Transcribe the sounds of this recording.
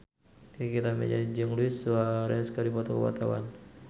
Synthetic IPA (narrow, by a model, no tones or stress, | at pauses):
kit̪amɛ̰d͡ʒad͡ʒəŋluɪsaɾɛskadipɔt̪ɔkəwa̰t̪awa̰n